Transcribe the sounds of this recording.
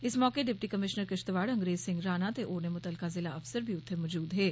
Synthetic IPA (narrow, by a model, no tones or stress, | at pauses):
ɪsmɔːkeɖɪp̚ʈikɐmɪʃnəɾkɪʃt̪ʋaːɽɐ̃ŋɡɾeːzsɪ̃ŋɡɾaːnat̪eʔoːɾnemʊt̪əlkazɪlaɐfsəɾbʱiʊt̪ʰːemɔːd͡ʒuːd̪ɦɛː